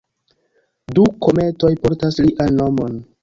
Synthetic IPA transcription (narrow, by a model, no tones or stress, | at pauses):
duko̞me̞to̞jpo̞ɾtasliʔanno̞mon